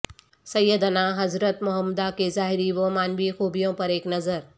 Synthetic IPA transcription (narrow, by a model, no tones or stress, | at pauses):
sɐjːəd̪ənaɦɐzɾət̪mʊɦəmd̪akezaːɦɪɾiʋomaːnʋixuːbijõpɐɾeːknɐzəɾ